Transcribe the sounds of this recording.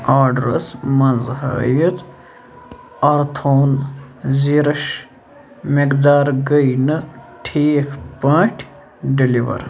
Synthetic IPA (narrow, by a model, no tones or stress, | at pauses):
aːɖɾɐ̰smɐnzɦa̰ːjit̪ | ɐɾt̪ʰoːnziɾɐʃ | mekd̪aːɾɡəjnɨʈʰiːkʰpãːʈʲʰ | ɖiliʋɐ̰ɾ